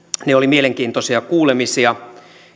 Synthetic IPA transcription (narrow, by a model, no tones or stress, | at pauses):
neolimieleŋkiːnt̪osiɑkuːlemisiɑ